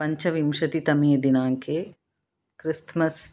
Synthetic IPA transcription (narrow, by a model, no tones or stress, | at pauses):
pɐɲt͡ʃɐʋimʂɐt̪it̪ɐmijɐd̪inaːŋkeː | kɾist̪mɐs